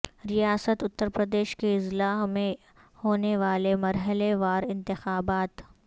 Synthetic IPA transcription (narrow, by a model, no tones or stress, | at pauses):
ɾijaːsət̪ʊt̪ːəɾpɾəd̪eːʃkeɪzlaːɦmẽ | hoːneʋaːlemɐɾɦəleʋaːɾɪ̃nt̪ɪxaːbaːt̪